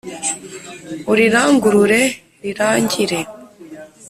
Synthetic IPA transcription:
uɾiɾaːŋɡuɾuɾe | ɾiɾaːɲɟiɾe̞

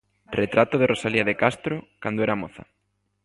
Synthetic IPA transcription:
ret̪ɾat̪oðerosaliaðekast̪ɾokand̪oɛɾamoθa̰

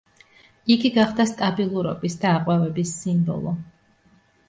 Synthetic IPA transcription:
iɡiɡaχd̪ast̪ʼabilˠuɾɔ̰bisd̪aːqʼwɛvɛbisːimbɔ̰lˠɔ

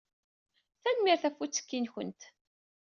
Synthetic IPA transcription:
θænmiɾθæfut͡sːə̥kːinçə̰nt̪

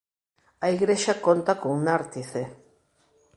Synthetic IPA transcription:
aiɣɾeʃakont̪akoŋnaɾt̪iθe

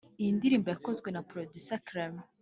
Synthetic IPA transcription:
ijindiɾiːmbojakozɡwenapɾodusakɾam

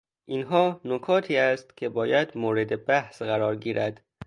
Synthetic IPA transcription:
ʔinɦɒːnokʰɒːt̪ʰiːæst̪cʰe̞bɒːjæd̪moːɾe̞d̪ebæhsɢæɾɒːɾɡiːɾʔæd̪̥

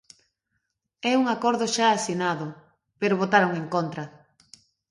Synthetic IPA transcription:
ɛuŋakoɾðʊʃaːsinaðʊ | peɾoβot̪aɾoŋeŋkont̪ɾɐ

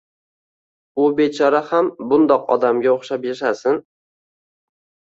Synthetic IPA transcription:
ʊbe̞t͡ʃʰɒɾahambʊnd̪ɒqɒ̰d̪amɡʲaoχʃapjaʃasɪn

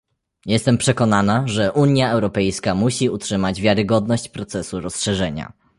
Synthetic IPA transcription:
jɛst̪ɛmpʂɛkɔnanaʐɛʔuɲjaɛwɾɔpɛjskamuɕiutʂɘmad͡ʑvʲjaɾɘɡɔd̪nɔɕt͡ɕpɾɔt̪sɛsuɾɔsʂɛʐɛɲa̰

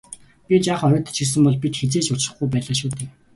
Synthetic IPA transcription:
pʲit͡ɕaːχœɾʲɞːt̪ə̥̆t͡ɕʰxis̬ɘ̆mpɔɮpit̪xet͡seːt͡ɕʊt͡ɕrə̆χɡujp̬æːɮə̆ʃ̬uːt̪ʰeː

